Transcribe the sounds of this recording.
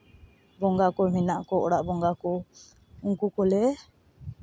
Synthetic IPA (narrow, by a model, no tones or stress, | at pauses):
bɔŋɡakɔminaʔkɔɔɽaʔbɔŋɡakɔ | uŋkukɔlɛ